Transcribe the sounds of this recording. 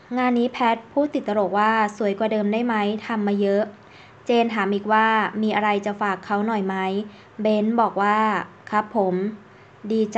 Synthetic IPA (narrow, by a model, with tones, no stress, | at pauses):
ŋaː˧nːiː˦˥pʰɛː˦˥t̪̚pʰuː˥˩t̪i˨˩t̪̚ːa˧ɾoː˨˩k̚waː˥˩su˩˦jkwaː˨˩dɤː˧mdaː˥˩jma˦˥jt̪ʰa˧mːaː˧jɤ˦˥ʔ | t͡ɕeː˧nt̪ʰaː˩˦mʔiː˨˩k̚waː˥˩miː˧ʔa˧ɾa˧jt͡ɕa˨˩faː˨˩kʰːa˦˥wnɔ˨˩jma˦˥j | be˦˥nbɔː˨˩k̚waː˥˩ | kʰa˦˥pʰːo˩˦m | diː˧t͡ɕ